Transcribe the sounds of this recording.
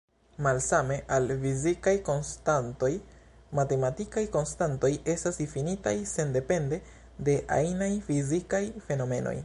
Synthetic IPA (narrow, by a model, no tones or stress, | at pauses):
malsame̞ʔalfizikajko̞nstanto̞j | mate̞matikajko̞nstanto̞je̞stasdifinitajse̞nde̞pe̞nde̞ | de̞ʔa̰jnajfizikajfe̞no̞me̞̰no̞̰j